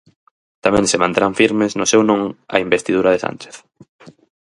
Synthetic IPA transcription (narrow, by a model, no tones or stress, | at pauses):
t̪amɛ̃ŋsemant̪eɾaɱfiɾmesnʊsewnõŋɐ̰imbest̪iðuɾaðesa̰nt͡ʃe̥θ